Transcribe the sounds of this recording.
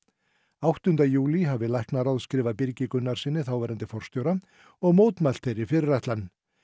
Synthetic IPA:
awht̪ʏnt̪ajuːliɦavɪlajhknaɾawðskɾɪːvapɪɾcɪkʏnːaɾ̥sɪnːɪθawvɛːɾant̪ɪfɔr̥st̪jowɾa | ɔɣmoːwt̪mal̥t̪ʰeɾɪfɪɾɪrajht̪lanː

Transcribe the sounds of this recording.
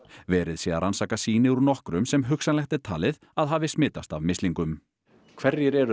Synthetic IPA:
vɛːɾɪðsjɛðaɾʔansaːkasiːnɪuɾnɔhkɾʏmsɛmɦʏksanlɛht̪ɛɾ̥t̪ʰaːlɪð | aðɦaːvɪsmɪːt̪ast̪avmɪst̪iŋkʏm | kʰv̥ɛɾðjɛɾɛɾ

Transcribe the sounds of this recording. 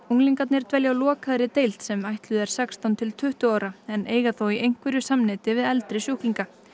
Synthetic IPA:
uŋliŋkat̪nɪɾ̥t̪vɛljawlɔːkʰaðɾɪt̪ejlt̪sɛmajht̪lʏðɛɾ̥sɛkst̪awnt̪ʰɪlt̪ʰʏht̪ʏaːwɾaɛneːjɣaθowiʔejŋ̥kvɛɾʏsamnɪt̪ɪvɪðɛlt̪ɾɪsjuwhkliŋka

